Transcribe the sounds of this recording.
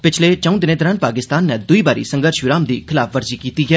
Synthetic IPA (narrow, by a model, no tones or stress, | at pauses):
pɪt͡ʃʰleːt͡ʃə̃ũd̪ɪnẽːt̪ɔɾaːnpaːkɪst̪aːnːɛːd̪ʊiːbaːɾḭːsə̃ŋɡəɾʃʋɪɾaːmd̪iːkʰɪlaːpʰʋəɾziːkiːt̪iːɡɛː